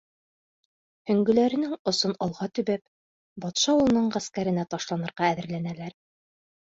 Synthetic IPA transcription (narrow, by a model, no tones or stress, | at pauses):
hɵ̆ŋɡɵ̆læɾɘ̆nɘŋŏsonɑlˠʁɑt̪ɵ̆βæp | bɑt̪ʃɑulˠɤ̆nɤɴʁæskæɾɘ̆næt̪ɑʃlˠɑnɤ̆ɾʁɑæðɘ̆ɾlænælæɾ